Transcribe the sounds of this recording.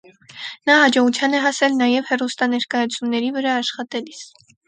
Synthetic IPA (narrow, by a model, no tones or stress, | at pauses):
nɑɦɑd͡ʒɔʁut͡sʰjɑnɛɦɑsɛlnɑjɛvhɛrust̪ɑnɛɾkɑjɑt͡sʰumnɛɾivəɾɑːʃχɑt̪ɛlis